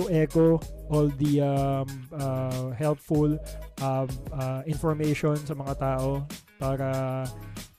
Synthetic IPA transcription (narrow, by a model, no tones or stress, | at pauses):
oʔɛːkoʔold̪iɐmʔɐhɛlp̚fulʔɐɐʔɪnfɔɹmejʃonsɐmɐŋat̪aːʔo̞paːɾɐ